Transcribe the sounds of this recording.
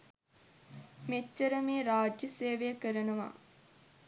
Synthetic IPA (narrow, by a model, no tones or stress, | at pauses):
met͡ʃːəɾəmeːɾaːd͡ʒjəseːʋejəkəɾənuʋa̰